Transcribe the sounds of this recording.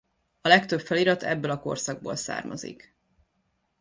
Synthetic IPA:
ɒlɛkt̪øpfɛliɾɒt̪ʰɛ̰bːølɒko̞̰rsɒɡ̚boːlsa̰ːrmɒ̰zḭk

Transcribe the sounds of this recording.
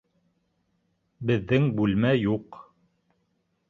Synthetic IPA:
bɘ̆ðːɘŋbʉlmæjuq

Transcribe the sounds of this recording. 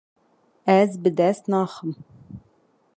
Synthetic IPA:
æzbɘd̪æsnɑːχɤm

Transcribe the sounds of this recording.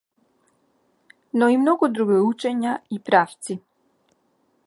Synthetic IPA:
nɔimnɔɡud̪ɾuɡiut͡ʃɛɲaipɾaft̪si

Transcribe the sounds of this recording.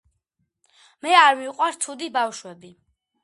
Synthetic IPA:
mɛaɾmiqʼwaɾt̪ʰud̪ibafʃwɛbi

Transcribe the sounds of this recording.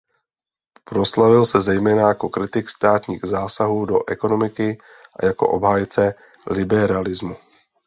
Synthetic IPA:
pɾo̞slavɪlsɛzɛjmɛːnajako̞kɾɪt̪ɪkst̪aːt̪ɲiːɣzaːsaɦuːdo̞̰ʔɛko̞no̞mɪkɪ | ʔa̰jako̞̰ʔo̞bɦaːjɪt͡sɛ | lɪbɛɾalɪzmu

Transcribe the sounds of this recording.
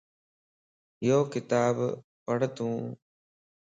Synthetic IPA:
joːkɪt̪aːb | pəɽət̪ũː

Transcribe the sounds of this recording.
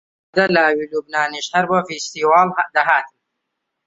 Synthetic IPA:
d̪ɐlaːwilubnaːniʃhɐɾbɐfist̪iwaːld̪ɐɦaːt̪

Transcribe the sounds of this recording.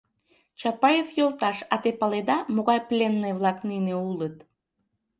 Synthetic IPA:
t͡ɕɑpɑjefjolt̪ɑʃɑt̪epɑled̪ɑmoɣɑjplʲenːəjβlɑknineulət̪

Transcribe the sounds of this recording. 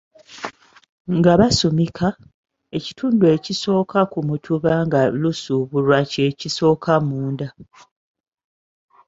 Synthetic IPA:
ŋɡaβasomikʰa | e̞ci̥tʰuːndue̞ciso̞ːkakumutʰuβaŋɡalusuβuɾwaceːciso̞ːkʰamuːnda

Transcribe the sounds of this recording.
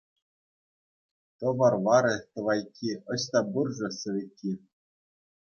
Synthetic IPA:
t̪ɤ̆ʋɑrʋɑɾʲĕt̪ɤ̆ʋɑjkʲːiɤ̆ɕt̪ɑburʐɤ̆sɤ̆ʋʲĕkʲːi

